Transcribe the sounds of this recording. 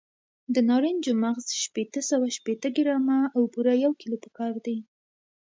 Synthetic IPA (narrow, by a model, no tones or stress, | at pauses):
d̪ənɑɾind͡ʒomaɣzʃpet̪əsawaʃpet̪əɡɪɾɑmaːwpuɾajawkilopə̥kɑɾd̪aj